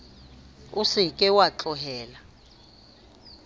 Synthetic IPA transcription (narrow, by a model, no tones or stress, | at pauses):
usikʼɛwat͡ɬʼɔɦɛːla